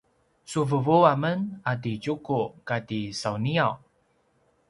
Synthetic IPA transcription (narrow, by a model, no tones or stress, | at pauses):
suvəvuamənadid͡ʒukukadisawniaw